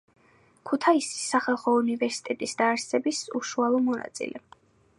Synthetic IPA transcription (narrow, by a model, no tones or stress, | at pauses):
kʰut̪ʰaisi̥sːaχalˠχɔunivɛɾsi̥t̪ʼɛt̪ʼisd̪aːɾsɛbisṵʃualˠɔmɔna̰t̪sʼḭlʔɛ